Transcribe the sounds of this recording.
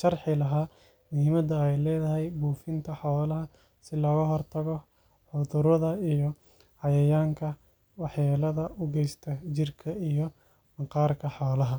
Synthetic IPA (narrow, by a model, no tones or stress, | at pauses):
ʃɐrħɪlɐɦaː | niːmɐd̪ɐɛjlɛːðɐɦɛjbuːfɪnt̪ʰɐħɔːlɐɦɐ | sɪlɔːɣɐɦɔrt̪ʰɐɣɔ | ħʊðʊɾɐðɐijɔ | hɑjɐjaːŋkʰɐ | wɑħjaːlɐðɐʔʊɡɛjst̪ʰɐt͡ʃɪrkʰɐijɔ | mɐqɑːrkʰɐħɔːlɐɦɐ